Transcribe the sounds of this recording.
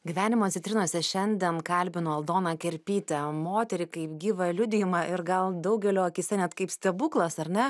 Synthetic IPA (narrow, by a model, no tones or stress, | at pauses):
ɡʲiʋʲæːnʲɪmoːt̪sʲɪt̪ʲɾʲɪnuɔsʲɛʃʲɛnʲd̪ʲɛnkɐlʲbʲɪnoːɐlˠd̪oːnɑkʲɛɾʲpʲiːt̪ʲɛmoːt̪ʲɛɾʲɪkɐɪpɡʲiːʋɐlʲʊd̪ʲɪjɪmɑʔɪɾɡɐlˠd̪ɐʊɡʲɛlʲoːɐkʲɪsʲɛnʲɛt̪kɐɪpsʲt̪ʲɛbuːklˠɐsɐɾʲnʲɛ